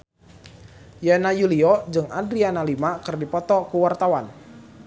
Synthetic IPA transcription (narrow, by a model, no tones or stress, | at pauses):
janajuliɔd͡ʒɨŋadɾianalimakɨrdipɔt̪ɔkuwart̪awan